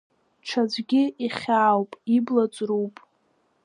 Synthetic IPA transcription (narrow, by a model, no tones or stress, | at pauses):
ʈ͡ʂʰad͡zʷɡʲɪiχʲaːwpʼiblat͡sʷʼruwpʼ